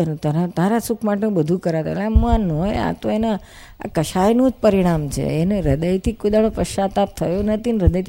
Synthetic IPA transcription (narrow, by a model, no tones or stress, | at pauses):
nũt̪əɾat̪aɾasukʰmaʈeũbəd̪ʱũkəɾat̪o̰ḛleam̃ːanoja̰t̪oena | a̰kəʃajnõd͡ʒpəɾiɽ̃amt͡ʃʰḛeneɾəd̪əjt̪ʰikod̪aɽ̃opəʃat̪ap̚t̪ʰəjonət̪ʰinɾəd̪əjt̪